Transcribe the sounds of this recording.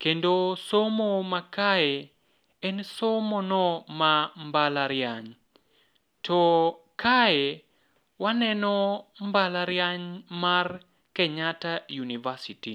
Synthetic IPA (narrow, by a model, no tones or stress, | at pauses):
kendosomomakae | ɛnsomonɔmambalaɾjaɲ | tʰɔ | kae | wanɛnɔmbalaɾjaɲmar | kɛɲatajunivasiti